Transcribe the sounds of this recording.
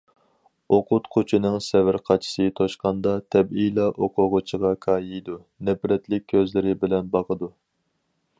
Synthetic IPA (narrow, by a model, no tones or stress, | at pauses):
oqʰʊt̪qʰot͡ʃʰinɨŋsɛvɪɾqʰɑt͡ʃʰi̥sɨt̪ʰoʃqɑnd̪ɑt̪ʰɛbilˠɑʔoqʰʊʁʊt͡ʃʰəʁɑkʰɑːjijd̪u | nɛpɾɛt̪lɪk̚ʲʰːøzlɪɾɪbɪlɛnbɑqəd̪u